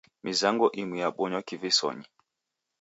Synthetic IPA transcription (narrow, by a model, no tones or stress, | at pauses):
mʔizaŋɡɔʔimwijaɓɔɲɔkivisɔ̰ɲi